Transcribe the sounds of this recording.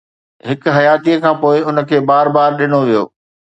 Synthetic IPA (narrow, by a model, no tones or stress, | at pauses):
ɦɪkʊɦɐjaːt̪iəkʰãːpoːɪʊnə̆kʰeːbaːɾbaːɾɗɪnoʋijo̰ː